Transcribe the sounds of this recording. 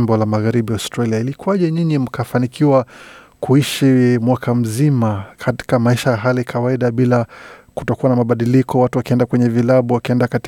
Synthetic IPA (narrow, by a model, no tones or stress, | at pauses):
mbɔlamaɣaɾiɓiaʊstɾaliailikuaʄɛɲiɲim̩kafanikʰiwa | kʰuiʃimwakʰam̩zimakʰati̥kamaiʃajaɦalikʰawaiɗaɓilaku̥tɔkuwanamaɓaɗilikʰɔwatuwakiɛndakwɛɲɛvilaɓuwakiɛndakat